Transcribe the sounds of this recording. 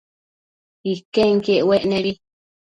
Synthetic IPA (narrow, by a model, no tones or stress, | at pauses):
ikeŋkeʔweʔnẽβi